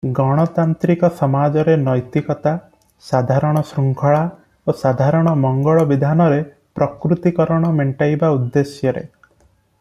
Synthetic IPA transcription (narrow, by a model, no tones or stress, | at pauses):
ɡɔɽ̃ɔt̪ant̪ɾikɔsɔmad͡ʒɔɾenɔjt̪ikɔt̪a | sad̪ʱaɾɔɽ̃ɔsɾuŋkʰɔɭa | osad̪ʱaɾɔɽ̃ɔmɔŋɡɔɭɔbid̪ʱanɔɾe | pɾɔkɾut̪ikɔɾɔɽ̃ɔmeɳʈajbaud̪ːesjɔɾḛ